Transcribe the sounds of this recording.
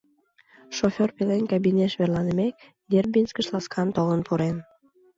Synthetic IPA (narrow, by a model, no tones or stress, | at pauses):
ʃofʲorpelenkɑbinʲeʃβerlɑnəmek̚ | d̪erbinskəʃlɑskʰɑnt̪olənpuɾen